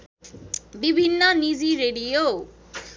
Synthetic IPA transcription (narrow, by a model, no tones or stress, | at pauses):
bibʱinːʌnid͡ziɾeɽijo